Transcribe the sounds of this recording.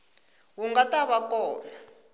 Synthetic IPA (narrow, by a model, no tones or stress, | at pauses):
wuŋɡataβakɔːna